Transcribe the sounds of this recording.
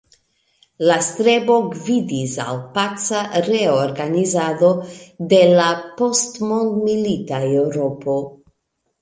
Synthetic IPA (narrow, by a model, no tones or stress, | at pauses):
last̪ɾebo̞ɡvidisa̰lpat͡saɾe̞oɾɡanizado̞d̪e̞lapo̞stmo̞nd̪milit̪aewɾo̞pʰo̞